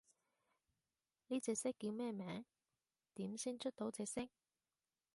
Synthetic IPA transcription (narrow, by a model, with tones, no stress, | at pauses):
niː˥t͡sɛː˧k̚sɪ˥kːiː˧wmɛː˥mɛː˨˥ŋ | t̪iː˨˥msiː˥nt͡ʃʰɵ˥t̚t̪o˨˥wt͡sɛː˧k̚sɪ˥k̚